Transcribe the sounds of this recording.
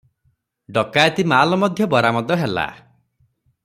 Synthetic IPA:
ɖɔkajt̪imaːlɔmɔd̪ʱjɔbɔɾamɔd̪ɔɦela̰

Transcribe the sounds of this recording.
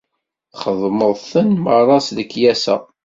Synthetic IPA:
χəðˤməðˤθənmərˤːɑsðəkːjæsæ̰

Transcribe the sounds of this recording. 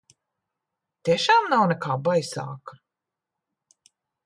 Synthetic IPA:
t̪ʲiɛʃaːmnawnɛkʰaːbajsa̰ːkḁ

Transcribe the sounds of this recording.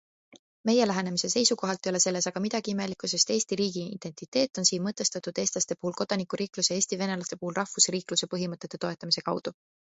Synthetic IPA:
me̞je̞læɦe̞ne̞mise̞se̞jsuko̞ɦɑlt̪ːˑejo̞le̞se̞lːe̞sɑɡ̥ɑmid̪̥ɑɡ̥iime̞likːˑuse̞st̪e̞ːsʲt̪iɾiːɡ̥iḭd̪̥e̞nt̪ˑit̪ːˑe̞ːt̪ˑːo̞nsiːnmɤt̪ːˑe̞st̪ɑt̪ud̪e̞ːst̪lɑst̪e̞puhulko̞d̪̥ɑnikːˑuɾiːkluseeːsʲt̪ive̞ne̞lɑst̪e̞puhulrɑhvusriːkluse̞pɤɦimɤt̪ˑːet̪ːe̞t̪o̞e̞t̪ːˑɑmise̞kɑwd̪̥u

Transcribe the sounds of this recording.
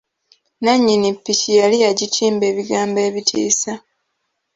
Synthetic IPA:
naɲːinipːicijalijaɟitʰiːmbe̞ːβiɡaːmbe̞ːβitʰḭːsa

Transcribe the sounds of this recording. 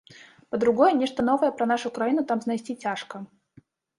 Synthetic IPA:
pəd̪ɾʊɡo̞jənʲeʂt̪ən̪o̞vəjəpɾɐn̪aʂʊkɾɐinʊt̪amznɐjsʲtʲitʲaʂkə

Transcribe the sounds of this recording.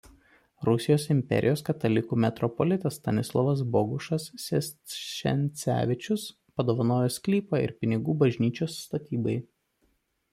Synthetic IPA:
ɾʊsʲɪjoːsɪmʲpʲɛ̰ɾʲʔɪjoːskɐt̪ɐlʲɪkuːmʲɛt̪ɾɔpɔlʲɪt̪ʲɐst̪ɐnʲɪslˠɔʋɐs̬bɔɡʊʃɐsʲɛsʃʲɛ̰nʲt̪sʲæ̰ːʋʲɪt͡ʃʲʊs | pɐd̪oːʋɐnoːjɛsʲkʲlʲiːpɐːɪ̰ɾpʲɪnʲɪɡuːbɐʒʲnʲiːt͡ʃʲoːsːt̪ɐt̪ʲiːbɐɪ

